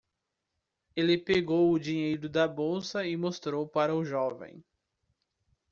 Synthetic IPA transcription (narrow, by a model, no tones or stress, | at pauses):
elɪpeɡowʊd͡ʒiɲejɾʊd̪ɐbowsɐɪmost̪ɾowpaɾɐʊʒɔvḛ̃j̃